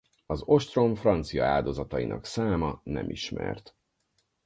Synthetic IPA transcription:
ɒzo̞ʃt̪ro̞ɱfrɒnt̪sijɒaːd̪o̞zɒt̪ɒjinɒksaːmɒnɛmʔiʃmɛrt̪

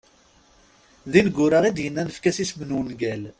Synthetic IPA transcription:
ðinɡːʊɾəʁid̪jənːænəfkæsismənunɡæl

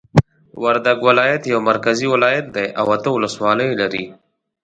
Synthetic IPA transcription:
wɐɾd̪ɐɡwɪlaːjɐt̪jɐwmɐɾkɐziwɪlaːjɐt̪̚d̪ejʔawɐt̪əʊləswaːləjlɐɾiː

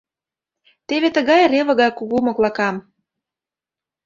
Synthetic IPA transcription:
t̪eβet̪ə̆ɣɑjreβɤ̆ɣɑjkuɣumŏklɑkɑm

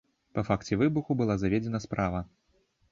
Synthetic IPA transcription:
pɐfakt͡sʲɛvɨbuxubɨlˠazavʲɛd͡zʲɛnɐspɾʔavɐ

